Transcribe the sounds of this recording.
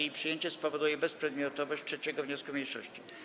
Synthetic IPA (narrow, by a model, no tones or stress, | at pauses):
ejipʂɨjeɲt͡ɕɛspɔvɔd̪ujɛbɛspʂɛd̪mʲjɔt̪ɔvɔɕt͡ɕtʂɛt͡ɕɛɡɔvɲɔskumʲɲejʂɔ̰ɕt͡ɕi